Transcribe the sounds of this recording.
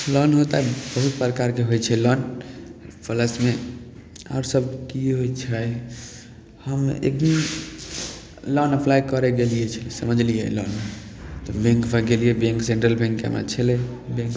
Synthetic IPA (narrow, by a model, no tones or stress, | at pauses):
lɔnɦot̪abəɦut̪̚pɾəkaɾkeɦojt͡ʃʰɛlɔn | pʰələsme | a̰ɾsəb̚kiɦojt͡ʃʰɛ | həmḛk̚d̪im | lɔnəplajkəɾɛɡelijɛt͡ʃʰəlesəməd͡ʒlijɛ̰lɔ̰n | t̪ɔbẽŋkbʱəɡelijɛbẽŋksẽɳʈɾəlbẽŋkḛma̰t͡ʃʰelebẽŋk